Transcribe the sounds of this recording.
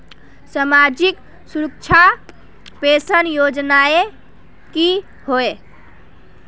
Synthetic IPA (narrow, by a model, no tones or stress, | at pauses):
samad͡ʒik | suɾək̚t͡ʃʰa | pesənjod͡ʒnae | ki | hoe